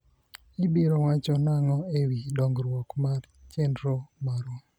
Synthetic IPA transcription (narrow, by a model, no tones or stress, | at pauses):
ibiɾɔwat͡ʃɔnaŋɔewidɔŋɡɾwɔkmar | t͡ʃendɾomaɾwɔ